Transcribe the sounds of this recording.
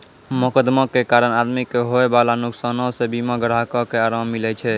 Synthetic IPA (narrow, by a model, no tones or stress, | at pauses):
məkəd̪məkekaɾənad̪mikːeɦoebalanuksanɔsebimaɡəɾɦakɔkeaɾamːilɛt͡ʃʰɛ